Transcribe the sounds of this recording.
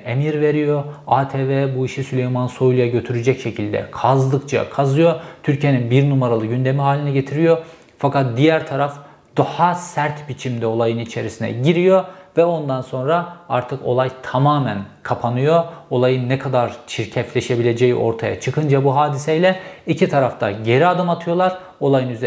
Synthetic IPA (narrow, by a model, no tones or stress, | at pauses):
e̞miɾve̞ɾijo̞aːt̪ʰeːvɛbuiʃisylʲejmanso̞jlʲˠjaɟø̞t̪ʰyɾyd͡ʒɛcʃe̞cʰilʲd̪ɛ̰kʰazlˠɯkt͡ʃʰa̰kʰazɯjo̞t̪ʰyɾcʰije̞ninbiɾnumaɾalˠɯɟynd̪e̞miɦaːlʲinɛɟe̞t̪ʰiɾijo̞ | fakat̪̚d̪ijæɾt̪ʰaɾaf | d̪̥uhasæɾt̪bit͡ʃʰimd̪ɛo̞lˠajɯnit͡ʃʰe̞ɾisinɛ̰ɟiɾijo̞vɛo̞nd̪anso̞nɾaaɾt̪ʰɯko̞̰lˠajt̪ʰamaːmænkʰapʰanɯjo̞o̞lˠajɯnːɛkʰad̪aɾt͡ʃʰiɾcʰɛflʲe̞ʃe̞bilʲe̞d͡ʒe̞jḭʔo̞̰ɾt̪ʰaja̰t͡ʃʰɯkʰɯnd͡ʒabuɦaːd̪isejlʲɛicʰit̪ʰaɾaft̪ʰaɟe̞ɾiad̪ɯmat̪ʰɯjo̞lˠaɾ | o̞lˠajɯnyz